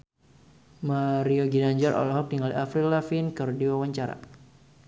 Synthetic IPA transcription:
maɾioɡinaɲd͡ʒɔrʔɔ̰lɔɦɔk̚diŋaliʔafɾilafinkɨrdiwawaɲt͡ʃaɾa̰

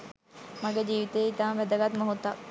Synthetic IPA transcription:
maɡed͡ʒiːʋit̪ejːit̪aːmʋæd̪əɡat̪məɦut̪ːak̚

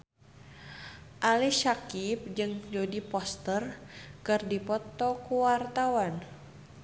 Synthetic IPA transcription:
ʔaliʃakip̚d͡ʒɨŋd͡ʒodipɔst̪ərkɨrdipɔt̪ɔkuwart̪awan

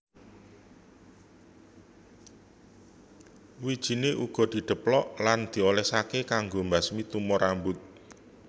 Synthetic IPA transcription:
wid̥ʒ̥i̤neʔuɡ̥ɔ̤d̪̥i̤ɖ̪̥ə̤plɔʔland̪̥i̤olɛsakekaŋɡombasmit̪umɔɾambʊt̪̚

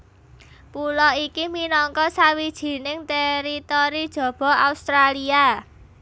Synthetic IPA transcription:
pulɔikiminɔŋkɔsawid̥ʒ̥i̤nɪŋt̪ɛɾit̪oɾid̥ʒ̥ɔ̤b̥ɔ̤aust̪ɾalia

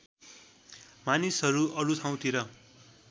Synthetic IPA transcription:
manisʌɾuʔʌɾut̪ʰaw̃t̪ʰiɾʌ

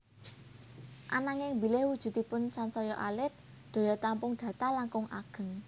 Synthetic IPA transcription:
ʔa̰naŋɪŋbi̤lɪhwud̥ʒ̥ṳt̪ipʊnsansɔjɔʔalɪt̪̚ | d̪̥o̤jɔt̪ampʊŋd̪̥ä̤t̪alaŋkʊŋʔa̰ɡ̥ə̤ŋ

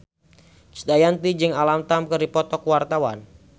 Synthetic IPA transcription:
t͡ʃi̥d̪ajant̪id͡ʒɨŋalamt̪amkɨɾipɔt̪ɔkwart̪awa̰n

